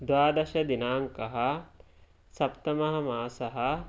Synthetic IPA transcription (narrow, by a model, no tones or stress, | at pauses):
d̪ʋaːd̪ɐʃɐd̪inaːŋkɐɦɐ | sɐpt̪ɐmɐɦɐ̆maːsɐɦɐ